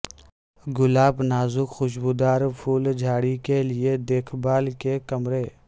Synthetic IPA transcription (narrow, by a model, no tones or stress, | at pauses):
ɡʊlaːbnaːzʊkxʊʃ̬bud̪aːɾpʰuːld͡ʒʱaːɽikelied̪eːkʰbaːlkekɐmɾeː